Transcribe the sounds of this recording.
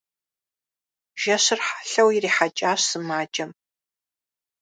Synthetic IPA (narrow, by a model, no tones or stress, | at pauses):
ʒ̥ɐɕɨrħḁɬɐwiriːħat͡ʃʼaːɕsɨmaːd͡ʒʼɐm